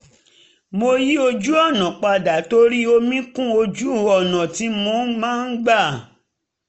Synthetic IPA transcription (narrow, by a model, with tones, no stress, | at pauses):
mo˧ji˦o˧d͡ʒu˦ɔ˦˨nã˨k͡pa˧da˨˦to˦ɾi˦o˧mĩ˦kũ˦o˧d͡ʒu˦˨ɔ˦˨nã˨ti˨˦mũ˧˦mãː˦n̩˦ɡ͡ba˦˨